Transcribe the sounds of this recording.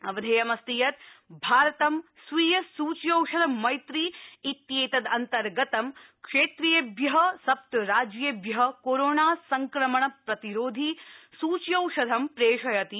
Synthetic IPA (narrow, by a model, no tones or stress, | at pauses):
ɐʋɐd̪ʱɐːjɐmɐst̪ijɐt̪̚bʱaːɾɐt̪ɐm | sʋiːjɐsuːt͡ʃjɐwʂɐd̪ʱɐmːɐjt̪ɾiːit̪jeːt̪ɐd̪ɐnt̪ɐɾɡɐt̪ɐmkʂeːt̪ɾijebjɐɦɐsɐp̚t̪ɾaːd͡ʒjebjɐɦɐkoɾoːɳaːsɐŋkɾɐmɐɳɐpɾɐt̪iɾoːd̪ʱisuːt͡ʃjɐwʂɐd̪ʱɐmpɾeːʂɐjɐt̪i